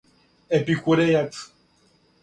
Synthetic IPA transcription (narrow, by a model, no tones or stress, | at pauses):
epikʷuɾejat̪